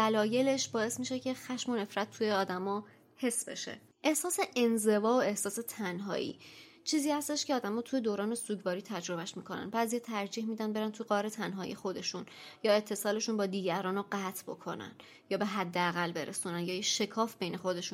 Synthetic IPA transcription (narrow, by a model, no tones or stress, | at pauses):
dælɒːje̞le̞ʃbɒːe̞smiːʃe̞cʰe̞xæʃmo̞ne̞fɾæt̪̚ʰːujeɒːd̪æmɒː | he̞sbe̞̰ʃḛ | ʔe̞hsɒːse̞ʔenze̞vɒːoe̞hsɒːse̞t̪ʰænɦɒ̰ːʔḭː | t͡ʃʰiːziːhæst̪e̞ʃcʰeɒːd̪æmɒːt̪ʰuje̞d̪oːɾɒːne̞suːɟvɒːɾiːt̪ʰæd͡ʒɾo̞bæʃmiːkʰonæ̰nbæːzijeːt̪ʰæɾd͡ʒiːhmiːd̪ænbeɾænt̪ʰuɡɒːɾe̞t̪ʰænɦɒːḭjexo̞d̪e̞ʃunjɒːe̞t̪ʰːe̞sɒːle̞ʃunbɒːd̪iːɟæɾɒːnoɢæːt̪ʰbo̞kʰo̞̰næ̰n | jɒːbe̞ɦæd̪ːeæɣælːbe̞ɾḛsunænjɒːjeʃe̞kʰɒːfbe̞jne̞xo̞d̪e̞ʃun